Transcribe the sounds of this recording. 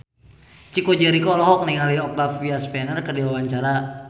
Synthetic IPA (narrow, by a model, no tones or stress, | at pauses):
t͡ʃikɔd͡ʒɛɾikɔlɔɦɔk̚niŋaliɔk̚t̪afiaspɛnərkərdiwawaɲt͡ʃaɾa